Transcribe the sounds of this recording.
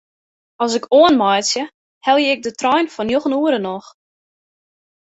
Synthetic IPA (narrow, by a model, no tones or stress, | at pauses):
ɔs̬ɪkʰoənmɔjtsjə | hɛlˠjəɪɡ̚dətrɔjnfɔnjoxənuəɾənɔx